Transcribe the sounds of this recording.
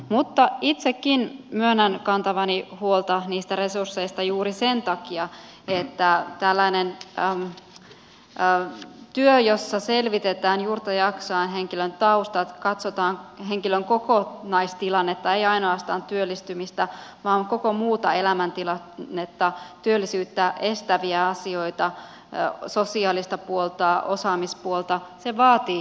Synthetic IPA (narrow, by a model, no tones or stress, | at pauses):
mut̪ːɑit̪sekːinmyønænkɑnt̪ɑʋɑnihuolt̪ɑniːst̪æɾe̞sursːe̞ist̪ɑjuːɾise̞nt̪ɑkiɑ | et̪ːæt̪ælːænen | t̪yøjosːɑse̞lʋit̪et̪æːnjuːrt̪ɑjɑksɑːnɦeŋkilønt̪ɑust̪ɑt̪kɑt̪sot̪ɑːŋɦeŋkiløŋko̞konɑist̪ilɑnːet̪ːɑejɑinoɑst̪ɑːnt̪yølːist̪ymist̪æʋɑːŋko̞komuːt̪ɑe̞læmænt̪ilɑnːet̪ːɑt̪yølːisyːt̪ːæʔe̞st̪æʋiæɑsioit̪ɑ | sosiɑːlist̪ɑpuolt̪ɑosɑːmispuolt̪ɑseʋɑːt̪iː